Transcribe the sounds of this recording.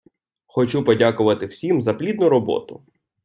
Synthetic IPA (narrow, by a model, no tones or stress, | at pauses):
xɔt͡ʃupɔdʲakʊʋɐt̪ɪwsʲimzɐplʲid̪nʊɾɔbɔ̰t̪ʊ